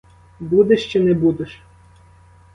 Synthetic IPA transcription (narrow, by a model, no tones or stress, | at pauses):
bud̪eʃt͡ʃɪnɛbud̪eʃ